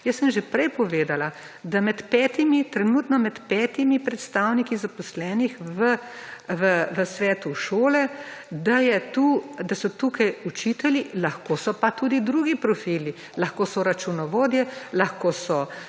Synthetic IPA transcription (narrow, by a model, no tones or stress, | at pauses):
jəsːəmʒepɾɛjpɔʋeːd̪ala | d̪amɛt̪pɛːt̪imit̪ɾɛnuːt̪nɔmɛt̪pɛːt̪imipɾɛt̪st̪aːwnikizapɔslɛːnixʋəʋəʋəsʋɛːt̪uʃoːlɛd̪ajɛt̪uːd̪asɔt̪uːkajut͡ʃit̪ɛlilaxkoːsɔpat̪uːd̪id̪ɾuɡipɾɔfiːli | laxkosɔɾat͡ʃunɔʋoːd̪jɛlaxkoːsɔ